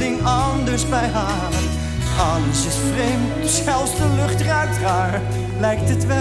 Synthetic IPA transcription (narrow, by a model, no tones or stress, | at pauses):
ɪŋɑndəɹsbɛjɦaːlən | ʔɑləsɪsfrejmksɛlˠfsdəlʏχtraːk̚traːɹ | lɛjk̚tətʋɛ